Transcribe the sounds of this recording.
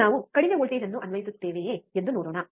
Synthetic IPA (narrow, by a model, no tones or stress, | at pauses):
aːʋukɐɽimeɦoɭʈ̪eːɾɐnːuʔɐnʋɐjisut̪ːe̞ːʋeend̪uno̞ːɽoːɳɐ